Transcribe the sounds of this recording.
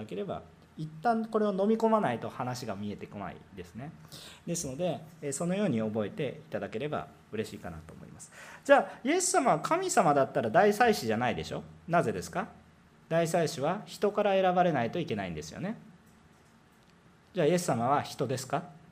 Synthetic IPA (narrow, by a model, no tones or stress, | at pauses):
ke̞ɾe̞ba̰ | it̪ːãɴko̞ɾe̞ono̞mʲiko̞manait̪o̞hanaɕiɡamʲie̞t̪e̞kona̰ḭd̪e̞sɨne̞d̪e̞sɨno̞d̪e̞so̞no̞jo̞ːɲ̟io̞bo̞e̞t̪e̞it̪ad̪ake̞ɾe̞ba̰ | ɯ̟ɾe̞ɕiːkana̰t̪oːmo̞̰ḭmasɨ̥d͡ʑaːje̞sːamaβakʰamʲisamad̪at̪ːaɾad̪aisaiɕiʑanaid̪e̞̰ɕo̞naze̞d̪e̞sɨ̥ka | d̪aisaiɕiβ̞açi̥t̪o̞kaɾae̞ɾabaɾe̞nait̪o̞ike̞naḭ̃nd̪e̞sɨjo̞̰ne̞ | d͡ʑaːje̞sːamaβ̞açi̥t̪o̞d̪e̞sɨ̥ka